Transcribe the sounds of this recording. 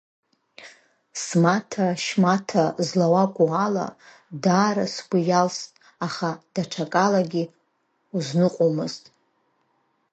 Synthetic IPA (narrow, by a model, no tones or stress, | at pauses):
smatʰaʃmatʰazlawakʷʼuala̰ | daːɾasɡʷijalstʼ | aχad̥aʈ͡ʂʰakʼalaɡʲi | uznɨqʷʼomɨztʼ